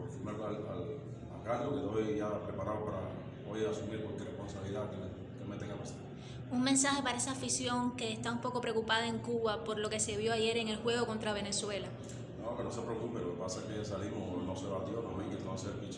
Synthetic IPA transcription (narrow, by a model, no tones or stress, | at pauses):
ofimeɾalal | akaʎoet̪ojʝapɾepaɾaopaɾa̰ | ojasumiɾkwalkerehponsaβiliðakene | kemet̪eŋɡapasaɾ | uŋmẽnsahe̞paɾaesaːfisjo̞ŋkeːst̪aumpo̞ko̞pɾeokupað̞ae̞ŋkuβapo̞ɾlo̞ke̞se̞βjo̞aʝe̞ɾe̞ŋe̞lhwe̞ɣo̞ko̞nt̪ɾaβe̞ne̞swe̞la | nokenose̞pɾeokupelokepasakesalimonoseɾat̪iβanomeŋket̪anseɾpit͡ʃ